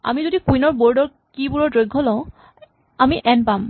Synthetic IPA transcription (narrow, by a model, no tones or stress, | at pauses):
a̰mizodikujnɔɹboɹdɔɹ | kibuɹɔdɹojɡʱːɔlɔ̃ʊ̃ | amiʔɛnpam